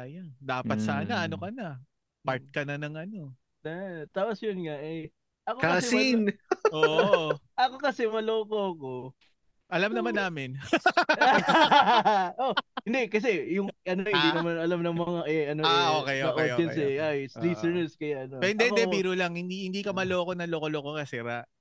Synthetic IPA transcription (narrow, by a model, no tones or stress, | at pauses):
ɐjand̪aːpɐt̪saːnɐʔɐnokɐnɐ | paɹt̪̚kɐnɐnɐŋʔɐno | nat̪aːposjʊnŋaʔɛ | ʔɐkoasɛsinʔoʔ | ʔɐko̞kɐsɛmɐlo̞ːkoːko̞ | ʔɐlamnɐmanːaːmɪn | ʔohɪnd̪ɛkɐs̬ɛjʊŋʔɐnohɪnd̪inɐmanɐlamnɐŋmɐŋaʔɛʔɐnoaʔokɛjaɐʔooɛnsɛʔajst̪ɾisɛnɛskɐjaʔɐnopɛnɛd̪ɛbiːɾolɐŋhɪnd̪ihɪnd̪ikɐmɐloːkonɐloːkoloːkokɐsɛɾaʔ